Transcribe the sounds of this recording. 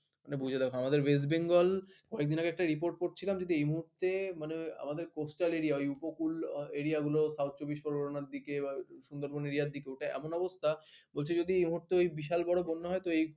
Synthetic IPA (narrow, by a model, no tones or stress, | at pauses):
manebud͡ʑʱed̪ɛkʰoamad̪eɾves̬ʈbeŋɡolkɔek̚d̪inakeɛk̚ʈaɾipoɾʈ̚koʈt͡ɕʰilamd͡ʑod̪iejmuɦuɾt̪emanea̰mad̪eɾkosʈaleɾiaojupokuleɾiaɡulosawt̪̚ʰt͡ɕobiʃpoɾoɽonaɾd̪ikebaʃund̪oɾboneɾiaɾd̪ikeoʈaɛ̰monɔbost̪ʰabolt͡ɕʰed͡ʑod̪iejmuɦuɾt̪eojbiʃalbɔɽobonːoɦɔet̪oej